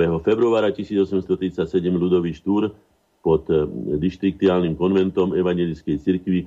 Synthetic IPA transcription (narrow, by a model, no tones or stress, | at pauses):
ɛɦɔfɛbɾuaːɾacisiːd͡zɔsɛmst̪ɔt̪ɾit͡sacsɛɟɛmlud̪ɔʋiːʃt̪uːɾ | pɔt̪d̪iʃt̪ɾik̚t̪iaːlnimkɔnʋɛnt̪ɔmɛʋaɲɛlit͡skɛjt͡siɾkʋi